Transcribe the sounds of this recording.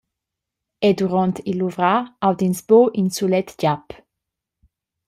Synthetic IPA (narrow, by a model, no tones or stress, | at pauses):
ed̪uʁɔ̃nt̪iluvʁaawd̪insboʔinsulɛt̪d͡ʒap